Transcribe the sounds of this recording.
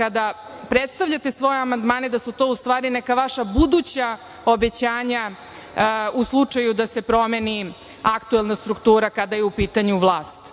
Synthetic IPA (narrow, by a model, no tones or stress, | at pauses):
kad̪a | pɾet̪st̪aʋʎʲat̪e̞sʋo̞jeamand̪maːned̪asut̪o̞ust̪ʋaːɾinɛkaʋaʃabud̪ut͡ɕa | obe̞t͡ɕaːɲa | uslˠut͡ʂajud̪asepɾo̞meni | akt̪uelˠnast̪ɾukt̪uːɾakad̪ajeupiːt̪aɲuʋlˠaːst̪